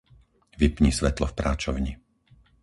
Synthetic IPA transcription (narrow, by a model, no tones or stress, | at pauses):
ʋipɲisʋɛt̪lɔfpɾaːt͡ʃɔʊɲi